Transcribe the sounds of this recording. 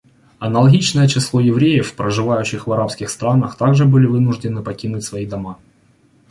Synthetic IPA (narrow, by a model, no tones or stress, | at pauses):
ɐnɐlˠɐɡʲit͡ɕnəjət͡ɕɪslˠojɪvɾʲejɪfpɾəʐɨvajʉɕːɪxvɐɾapskʲɪxst̪ɾanəxt̪aɡʐɨbɨlʲɪvɨnʊʐdʲɪnɨpɐkʲinʊtʲsvɐid̪ɐma